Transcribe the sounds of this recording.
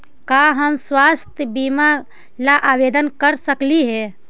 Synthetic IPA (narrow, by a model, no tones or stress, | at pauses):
kaɦəmswast̪ʰjəbima | laʔabed̪ənkəɾsəkliɦɛ